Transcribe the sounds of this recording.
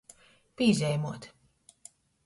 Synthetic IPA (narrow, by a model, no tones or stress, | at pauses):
piːzʲɛjmuɔt̪